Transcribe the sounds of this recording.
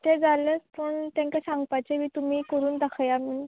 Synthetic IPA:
t̪ed͡zaləspəɳt̪ãŋkasãŋɡpajt͡ɕemiːt̪umiːkəɾuːnd̪akʰjamən

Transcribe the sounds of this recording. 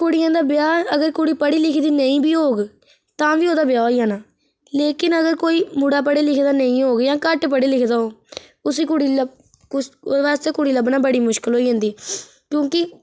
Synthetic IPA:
kʊɽɪjãːd̪aːbɪjaːəɡəɾkʊɽiːpəɽiːlɪkʰd̪iːnəĩːbiːɦoːɡ | t̪ãːʋiːoːd̪aːbɪjaːoiːɦaːnaː | leːkɪnəɡəɾkoːiːmuɽaːp̬əɽeːlɪkʰd̪aːnəĩːɦoːɡjãːkəʈpəɽiːlɪkʰd̪aːoː | ʊsiːkʊɽiːlə | ʋaːst̪eːkʊɽiːləbnãːbəɽiːmʊʃkɪlɦoːiːɦãːnd̪iː | kjõːkɪ

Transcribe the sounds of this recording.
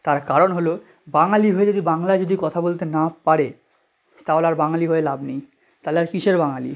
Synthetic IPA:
t̪aɾkaɾonɦolo | baŋaliɦoed͡ʑod̪ibaŋlaed͡ʑod̪ikɔt̪ʰabolt̪enapaɾe | t̪aolaɾbaŋaliɦoelabnej | t̪aleaɾkiʃeɾbaŋalḭ

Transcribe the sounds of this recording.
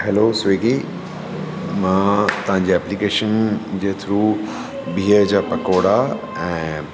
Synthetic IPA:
hɛloːseːɡi | mãːt̪ɐʋ̤ãɲ̆d͡ʑeɛːplikeːʃənd͡ʑeːt̪ʰɾu | bʱiːəd͡ʑaːpɐkoːɽa | ɛ̃ː

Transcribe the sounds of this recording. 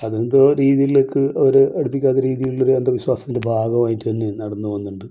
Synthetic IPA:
ɐðend̪oɾiːðijiɭokːɨoɾuɐɽup̬ːikʲːaːt̪ːɐɾiːðijuɭːo̞ɾuend̪ɐʋiɕwaːsɐ̥t̪ːindebʱaːɡɐmaːjiʈːɨt̪ɐnːe̞nɐɽɐnːuʋɐnːuɳɖɨ

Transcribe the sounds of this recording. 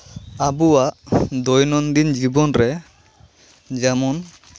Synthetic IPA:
abuwaʔd̪ɔjnɔnd̪ind͡ʒibɔnɾɛ | d͡ʒɛmɔn

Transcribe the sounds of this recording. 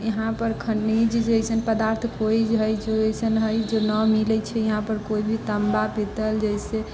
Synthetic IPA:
jəɦãpəɾkʰəɳːid͡ʒd͡ʒejsənpəd̪aɾt̪ʰkoid͡ʒɦəjd͡ʒoəjsənɦəjd͡ʒonəmilət͡ʃʰɛjəɦãpəɾkoibʱit̪əmbapit̪əld͡ʒəjse

